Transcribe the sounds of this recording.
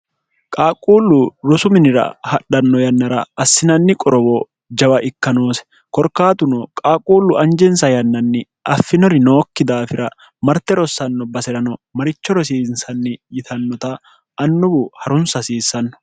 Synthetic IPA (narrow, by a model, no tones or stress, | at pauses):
kʼaːkʼuːlːʊɾʊsʊmɪnɪɾɐ̰hɐᶑɐnːɔjɐnːɐɾɐɐsːɪnɐnːɪkʼɔɾɔbɔ | d͡ʒɐwɐʔɪkːɐnoːsɛ̥ | kɔɾkaːt̪ʊnɔkʼaːkʼuːlːʊʔɐnd͡ʒɛnsɐjɐnːɐnːɪ | ʔɐfːɪnɔɾɪnoːkːɪd̪aːfɪɾɐ | mɐɾt̪ɛɾɔsːɐnːɔbɐsɛɾɐnɔmɐɾɪt͡ʃːɔɾɔsiːnsɐnːɪjɪt̪ʰɐnːɔt̪ɐ | ʔɐnːʊbʊhɐɾʊnsɐsiːsːɐnːɔ̥